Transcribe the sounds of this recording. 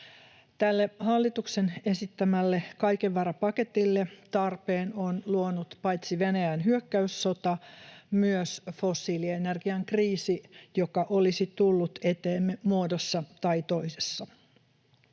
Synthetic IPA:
t̪ælːehɑlːit̪uksene̞sit̪ːæmælːekɑjkeʋːɑrɑpɑket̪ilːet̪ɑrpeːnonluonut̪pɑjt̪siʋenæjænɦyøkːæysːo̞t̪ɑmyøsfosːiːlienerɡiɑŋkriːsijokɑʔo̞lisit̪ulːut̪et̪eːmːemuodosːɑt̪ɑit̪oisesːɑ

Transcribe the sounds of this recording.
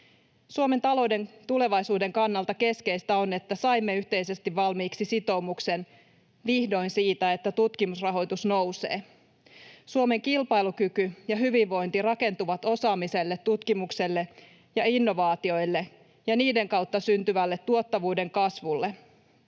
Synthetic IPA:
suome̞nt̪ɑlo̞wde̞ŋt̪ule̞ʋɑjsuːde̞ŋkɑnːɑlt̪ɑke̞ske̞jst̪æo̞ne̞t̪ːæsɑjmːe̞yht̪e̞jse̞st̪iʋʋɑlmiːksisit̪o̞umukse̞n | ʋihdo̞insiːt̪æe̞t̪ːæt̪ut̪kimusrɑɦo̞jt̪usno̞wsḛː | suome̞ŋkilpɑjlukykyjɑɦyʋiʋʋo̞jnt̪irɑke̞nt̪uʋɑt̪o̞sɑːmise̞lːet̪ːut̪kimukse̞lːe̞ | jɑinːo̞ʋɑːt̪io̞jlːe̞ | jɑniːde̞ŋkɑwt̪ːɑsynt̪yʋælːe̞t̪ːuot̪ːɑʋuːde̞ŋkɑsʋulːe

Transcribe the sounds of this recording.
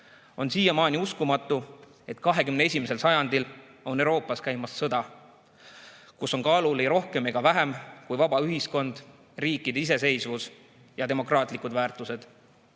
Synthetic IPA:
o̞nsiːjɑmɑːnʲiuskumɑt̪ːˑu | e̞t̪kɑɦe̞kymnee̞sʲimese̞lsɑjɑnd̪̥ilo̞newɾo̞ːpːˑɑskæjmɑsːɤd̪̥ɑ | kuso̞nkɑlulejɾo̞hke̞me̞ɡ̥ɑvæɦemkujvɑbɑyɦisko̞nd̪̥ | riːkːˑid̪̥eise̞se̞jsvus | jɑt̪e̞mo̞krɑːt̪ˑlikud̪væːrt̪ˑuse̞d̪̥

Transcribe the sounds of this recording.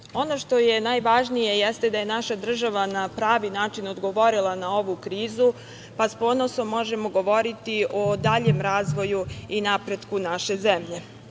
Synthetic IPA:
o̞no̞ʃt̪o̞jenajʋaʒnije̞jest̪e̞d̪aje̞naʃad̪r̩ʒaʋanapɾaːʋinaːt͡ʃino̞d̪ɡo̞ʋo̞ɾilˠanao̞ʋukɾiːzu | paspo̞ːno̞so̞mːo̞ʒe̞moɡo̞ʋo̞ɾit̪iʔo̞d̪aʎe̞mɾaːzʋo̞juinapɾe̞d̪kunaʃe̞zemʎe̞

